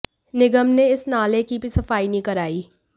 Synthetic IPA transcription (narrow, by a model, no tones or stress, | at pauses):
nɪɡəmneɪsnaːlekibʱisɐfaːinĩkɐɾaːiː